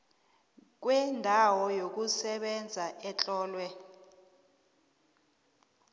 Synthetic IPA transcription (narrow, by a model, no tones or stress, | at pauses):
k̬wɛndʱawɔjok̬usɛɓɛnd͡zʱaʔɛt͡ɬʼɔːlwɛ